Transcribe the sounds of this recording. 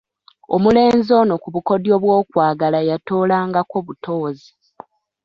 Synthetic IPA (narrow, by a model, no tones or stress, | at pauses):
o̰mule̞ːnzo̞no̞kuβuko̞djo̞βwo̞ːkwaːɡalajato̞ːlaːŋɡako̞βuto̞ːzi